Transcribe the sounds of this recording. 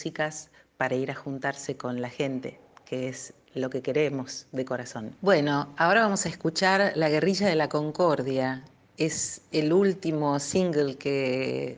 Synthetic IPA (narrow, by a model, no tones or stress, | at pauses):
sikaspaɾaiɾaxunt̪aɾseko̞nlaxe̞nt̪e̞̰ | kees | lo̞kekeɾemo̞sðeko̞ɾaso̞nbweno̞ao̞ɾaβamosaeskut͡ʃaɾlaɣe̞riʒaðe̞lako̞ŋko̞ɾðja | eselult̪imo̞siŋɡelke